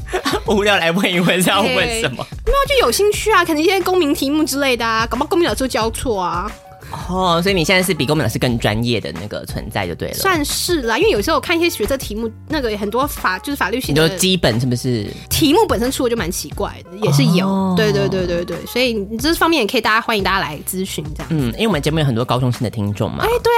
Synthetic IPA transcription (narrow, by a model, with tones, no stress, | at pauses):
u˧˥ljɑ˥˩ʊla˧˥ɪpi˧˩we˥˧˩ɕjɑ˥˧˥we˥˩ɪʂə˨˧˦nmɐ̰˧˩˥t͡ɕjo˨˩ʊɕi˥˧ŋt͡ɕʰy˥˩ɐ˩kʰə˨˩nə˧˥ŋ̩˥jɛ˥ko˥ŋmi˧˥ŋt̪ʰi˧˥mu˥˩ʈ͡ʂɻ̩˥le˥˩ɪd̪ə˩a˩ko˨˩pɑ˥ko˥mi˧ŋ˥ɑ˨˩ʂt͡ɕjɑ˥ʊt͡sʰwɔ˥˩a˩ | ɔ˥˩swɔ˧˥i˨˩ni˨˩jɛ˥˧nt͡sa˥˧ʂɻ̩˥˩pi˨˩ko˥ŋmĩ˧˦d̪ʂɻ̩˥˧˥kə˥˩ŋʈ͡ʂwa̰˦njɛ˥˩d̪ə̰˨˩na̰˥˩ɡə̰˩t͡sʰwə̰˧˦nt͡sa̰˥˧ɪt͡ɕjo˥˧t̪e˥˩ɪləswa˥˧nʂɻ̩˥˩lə˩i˥wj̩˨˩˥kʰni˥˩ɕjɛ˥ɕɥɛ˧˥t͡sɤ˧˩t̪ʰi˧˥mu˥˩ | na˥˩ɡə˩xə˨˩nt̪wɔ˥fa˨˩t͡ɕo˥˧ʊʂɻ̩˥˩fa˨˩ly˥˧ɕi˥˨o˥t͡ɕi˥pə˨˩nʂɻ̩˥˩bə˩ʂɻ̩˥˩t̪ʰi˧˥mu˥˩pə˨˩nʂə˥nʈ͡ʂʰu˥˧˩t͡ɕo˥˩ma˧˥nt͡ɕʰi˧˥kwa̰˥˩ɪd̪ə˩jɛ˨˩ʂɻ̩˥˩jo˨˩˦ʊt̪we˥˧ɪt̪we˥˧ɪt̪we˥˧ɪt̪we˥˧ɪt̪we˥˩ɪswɔ˧˥i˨˩n˨˩˨ʈ͡ʂfɑ˥ŋmjɛ˥˩jkʰə˥˨˩t̪a˥˩t͡ɕa˥xwa˥ni˧ŋt̪a˥˩ja˥la̰˧˥ɪt͡sɹ̩˥ɕy˧˥n˧˥ɑ̰˥˩n̩˥˩i˥˩wə˦˩t͡ɕɛ˧m˥jə˨˩t̪wɔ˥kɑ˥ʊʈ͡ʂʰʊ˥ŋɕi˧˥nd̪ə˨˩t̪ʰi˥ŋʈ͡ʂʊ̰˥˩ŋm̰e˥˩t̪we˥˩ɪ